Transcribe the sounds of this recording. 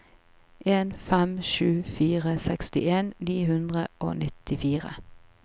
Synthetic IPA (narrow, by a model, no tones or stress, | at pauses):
ʔeːnfɛmʃʉːfiːʁəsɛkst̪ɪeːnniːhʉnd̪ʁə̰ʔo̰ːnʔɪt̪ɪfiːʁə̰